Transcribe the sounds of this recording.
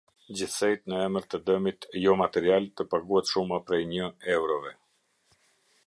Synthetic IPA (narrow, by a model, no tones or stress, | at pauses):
d͡ʑiθsɛjt̪nəɛməɾt̪əd̪əmit̪jɔmat̪ɛɾialt̪əpaɡuhɛt̪ʃumapɾɛjɲəɛwɾɔvɛ